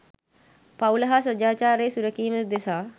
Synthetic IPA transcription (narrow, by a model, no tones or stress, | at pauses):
pawlɐɦasəd͡ʒaːt͡ʃaːɾeːsuɾəkiːməsd̪esaː